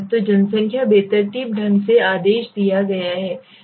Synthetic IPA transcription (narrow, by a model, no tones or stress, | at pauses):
t̪od͡ʒɐnsə̃ŋkʰjabeːt̪əɾt̪iːp̚ɖʱɐ̃nɡseaːd̪eːʃd̪ijaɡɐjaɦɛː